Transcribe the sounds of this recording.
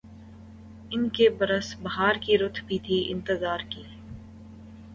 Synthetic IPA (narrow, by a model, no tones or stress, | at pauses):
ɪnkebɐɾəsbɐɦaːɾkiɾʊt̪ʰbʱit̪ʰiʔɪ̰̃nt̪ɪzaːɾkiː